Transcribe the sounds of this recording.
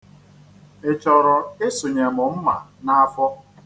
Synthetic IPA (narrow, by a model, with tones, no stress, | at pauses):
ɪ˨t͡ʃɔ˨ɾɔ˨ɪ˦sʊ˨ɲe˨mʊ˨m̩˦ma˨na˦a˦fɔ˦